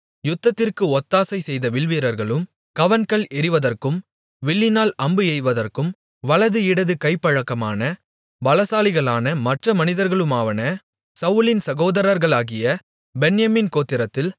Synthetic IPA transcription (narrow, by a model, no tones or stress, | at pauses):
jʊt̪ːɐt̪ːɪrkɯɔt̪ːaːsɐɪsɛjðɐʋɪɭʋiːɾɐɾɣɐɭɯm | kɐʋɐnkɐɭɪɾɪʋɐðɐrkɯm | ʋɪɭːɪnaːlɐmbɯɛɪʋɐðɐrkɯm | ʋɐɭɐðɯɪɽɐðɯkɐɪpːɐɻɐkːɐmaːnɐ | ʋɐlɐsaːlɪɣɐɭaːnɐmɐʈrɐmɐnɪðɐɾɣɐɭɯmaːʋɐnɐ | sɐʋɯlɪnsɐɣoːðɐɾɐɾɣɐɭaːɣɪjɐ | bɛnjɐmɪnkoːt̪ːɪɾɐt̪ːɪl